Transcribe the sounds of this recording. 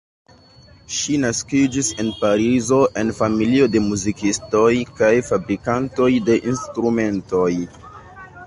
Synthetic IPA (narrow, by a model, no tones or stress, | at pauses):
ʃinaskid͡ʒise̞npaɾizo̞ʔe̞nfamilio̞de̞muzikisto̞jkajfabɾikanto̞jde̞ʔinstɾume̞nto̞j